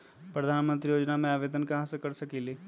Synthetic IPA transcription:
pɾəd̪ʱaːnmə̃nt̪ɾijoːd͡ʒnamẽaːʋeːd̪ənkaɦasəkɐɾsɐkileː

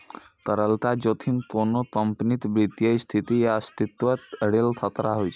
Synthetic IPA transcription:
t̪əɾəlt̪ad͡ʒot̪ʰinkonokəmpnit̪bɾit̪jəjst̪ʰit̪ijast̪it̪ʋət̪əɽelt̪ʰət̪ɾaɦojʰ

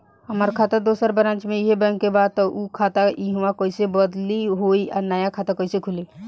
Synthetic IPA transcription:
ɦəməɾkʰat̪əɾd̪osəɾbəɾə̃nt͡ʃmẽiɦebə̃ŋkebad̪̚t̪ɔʔukʰat̪aiɦwakoisebəd̪liɦoia̰ɾnəjakʰat̪akɔisekʰuli

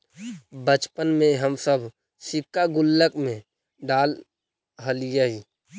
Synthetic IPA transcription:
bət͡ʃpənmẽɦəmsəbʱ | sɪkːaɡʊlːəkmẽ | ɖaːl | ɦəlijaɦi

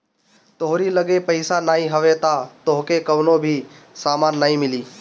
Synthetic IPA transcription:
t̪oɦɾiləɡepəɪsanaːĩɦəʋet̪at̪oɦkekəʋnobʱi | saːmaːnːaːĩmɪliː

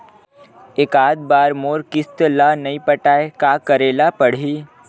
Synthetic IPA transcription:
eːkaːd̪̚baːɾmoːɾkɪst̪lanɐĩpəʈaːekaːkɐɾeːlapɐɽ̤iː

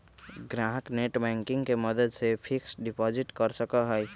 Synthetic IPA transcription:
ɡɾaːɦəkneːʈbɛ̃ːŋkɪ̃ŋɡkeməd̪əd̪sepʰɪksɖɪpɔːzɪʈkɐɾsəkaɦɛj

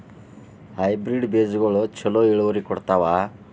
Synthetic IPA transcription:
hajbɾiɖbeːd͡ʒɡoɭut͡ʃʰɔlɔiɭʋɔɾikɔɽt̪aʋa

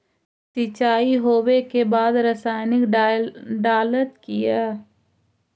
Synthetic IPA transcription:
sɪt͡ʃaːiɦoːwekebaːd̪ɾəsaːɪnɪk | ɖaːlət̪kiɛː

